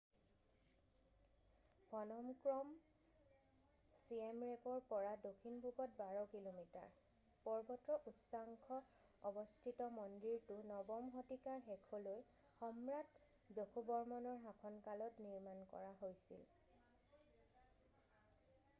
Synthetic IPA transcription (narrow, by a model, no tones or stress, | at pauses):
bʱɔnɔmkɹɔm | siemɹepɔɹpɔɹadokʰinbʱupɔt̚baɹɔkilomita̰ɹ | pɔɹbɔtɹɔʔutsaŋkʰɔ | ɔbɔstʰitɔmɔndiɹtʊnɔbɔmɦotikaɹxekʰoloj | xɔmɹat | zokʰubɔɹmɔnɔɹɦakʰɔnkalɔtniɹmankɔ̰ɹaɦojsḭl